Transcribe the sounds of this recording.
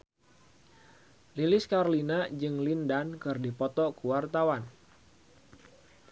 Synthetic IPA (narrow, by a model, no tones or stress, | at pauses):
lilɪskaɾlinad͡ʒɨŋlindankɨrdipɔt̪ɔkuwart̪awan